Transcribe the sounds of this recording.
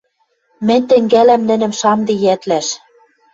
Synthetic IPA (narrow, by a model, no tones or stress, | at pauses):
mɘ̆nʲt̪ɘ̆ŋɡælæmnɘ̆nɘ̆mʃɑmd̪ĭjæt̪læʃ